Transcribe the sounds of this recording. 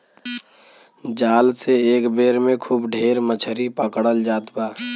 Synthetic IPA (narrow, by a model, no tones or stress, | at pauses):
d͡ʒaːlseeːkbeːɾmẽkʰuːbɖʱeːɾmət͡ʃʰəɾipəkɽəld͡ʒaːt̪baː